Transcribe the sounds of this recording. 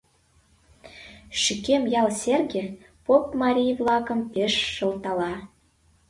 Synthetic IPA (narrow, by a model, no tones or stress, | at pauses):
ʃykemjɑlˠsʲerɡʲe | popmɑɾʲijvlɑkə̆mpeʃːɤ̆lt̪ɑlɑ